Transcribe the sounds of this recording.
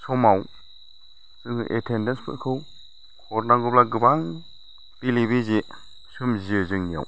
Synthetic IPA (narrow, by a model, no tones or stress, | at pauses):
sɔmaw | sɯŋɯʔetʰendenspʰɯ̰kʰɯw | kʰɔɾnaɡuplaɡɯbaŋ | pilibize | sɯmziɯzɯŋnia̰w